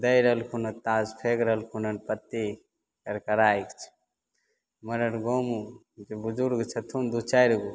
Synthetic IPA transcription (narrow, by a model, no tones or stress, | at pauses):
d̪ɐjɾɐɦlkʰunɐt̪aːzpʰekɾɐɦəlkʰunɐnpɐt̪ːi | kɐɾkɐɾaːikt͡ʃʰ | mɐɾɐɽɡoːmu | d͡ʒebud͡ʒuɾɡt͡ʃʰɐt̪ʰund̪ut͡ʃʰaːjɾɡu